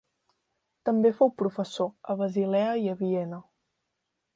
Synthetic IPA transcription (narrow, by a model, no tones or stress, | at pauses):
t̪əmbefowpɾufəsoəβəzilɛəiəβiɛnə